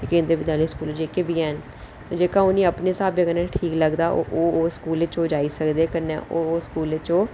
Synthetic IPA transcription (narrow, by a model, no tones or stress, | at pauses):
iːkẽːnd̪ɾəbɪd̪aːliskuːlːd͡ʒeːkeːbʱiːɛːn | d͡ʒeːkãːʊnĩːəpneːsaːbeːkənɛːʈʰiːkləɡd̪aːʔo̰ːʔoːoːskuːleːt͡ʃoːd͡ʒaːiːsəkd̪eːkənːɛ̰ːʔoːskuːleːt͡ʃoː